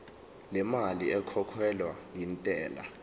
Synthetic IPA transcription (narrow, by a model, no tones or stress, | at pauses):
lɛmaliɛkʰɔkʰwɛlwajintʼɛːla̰